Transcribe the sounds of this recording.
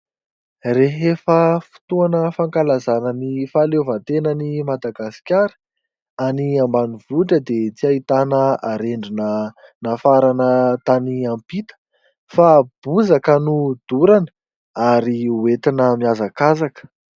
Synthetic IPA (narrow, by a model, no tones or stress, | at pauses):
reɦefəfi̥t̪uanəfaŋkalazanənifalevat̪enənimad̪aɡasi̥kʲaɾi̥ | aniambanivuʈ͡ʂəd̪et͡siait̪anəaɾeɳɖ͡ʐunə | nafaɾanət̪aniampit̪ə̥ | fab̥uzakənud̪̥uɾanə̥ | aɾiuet̪inəmiazakazakə̥